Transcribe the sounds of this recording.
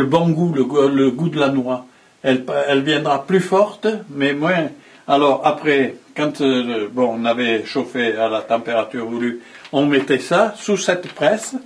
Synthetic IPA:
ləbɔ̃ɡulələɡud̪əlanwa | ɛlpɛlvjɛ̃d̪ʁaplyfɔʁt̪mɛmwɛ̃ | alɔʁapχɛkɑ̃t̪əbɔ̃ɔ̃navɛʃofealat̪ɑ̃peʁat̪yʁvulyɔ̃mɛt̪ɛsasusɛt̪pχɛs

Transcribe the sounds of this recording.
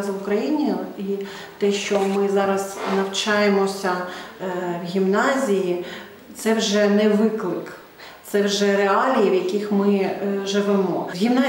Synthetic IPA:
zɐʊkɾɐjinʲijʊi | t̪ɛʃt͡ʃɔmɪzɑɾɐz̥nɐwt͡ʃɑjemɔsʲɐ | ʋɣʲimnɑzʲiji | t̪sɛwʒɛnɛʋɪklˠɪk | t̪sɛwʒɛɾeɑlʲijiʋjɐkʲixmɪʒɪʋɛmɔɣʲimnɑ

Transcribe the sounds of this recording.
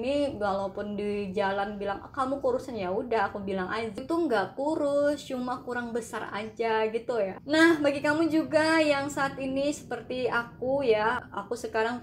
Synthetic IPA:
niwalapʊndid͡ʒalanbilaŋa̰kamukuɾusanjaudaɦakubilaŋʔad͡ʒat̪uŋɡaʔpuɾʊst͡ʃumakuɾaŋbəsara̰d͡ʒaɡit̪ujanahbaɡikamud͡ʒuɡajaŋsaːt̪inisə̥pərt̪iakujaa̰kusəkaɾaŋ

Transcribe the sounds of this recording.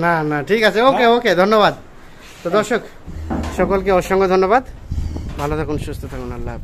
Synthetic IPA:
nanaʈʰikasʰeokeoked̪ʱɔnːobad̪ | t̪od̪ɔɾʃok | ʃɔkolkeɔʃɔŋɡod̪ʱɔnːobad̪bʱalot̪ʰakunʃust̪ʰot̪ʰakunalːa̰

